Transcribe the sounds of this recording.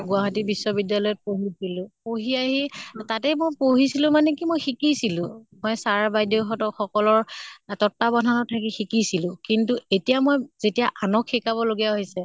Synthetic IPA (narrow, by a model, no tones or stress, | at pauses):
ɡʊaɦatibisːɔbidːalɔjɔt̚poɦisilʊ̃poɦiaɦitatɛmojpoɦisilʊ̃manɛkimojxikisilʊ̃mojsaɹabajdoxɔtɔxɔkɔlɔɹtɔtːabɔnʱanɔtʰakixikisilʊ̃kintuetijamojzetijaʔanɔkʰːikaβɔloɡijaɦojsɛ